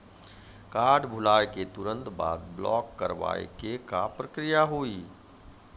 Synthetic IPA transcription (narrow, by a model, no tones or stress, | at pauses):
kaːɾɖbʱʊlaːjket̪ʊɾə̃nt̪ba̰ːd̪blɔ̰ːkːəɾʋa̰ːḛkekapɾəkɾijaɦoːiː